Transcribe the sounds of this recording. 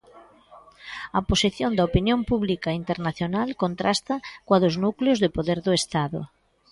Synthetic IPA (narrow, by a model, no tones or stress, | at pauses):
ɐposiθjond̪ɐopinjõmpuβlikaint̪eɾnaθjonalkont̪ɾʔast̪ɐkwaðoznukleozðepoðeɾðʊest̪aðʊ̰